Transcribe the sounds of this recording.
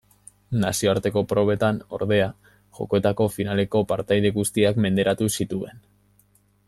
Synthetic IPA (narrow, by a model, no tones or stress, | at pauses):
nasio̞aɾt̪e̞ko̞pɾo̞βe̞t̪ano̞̰ɾðe̞a | ʝo̞̰ko̞e̞t̪ako̞finale̞ko̞paɾt̪ajðe̞ɣust̪iakme̞nd̪e̞ɾat̪usit̪ue̞n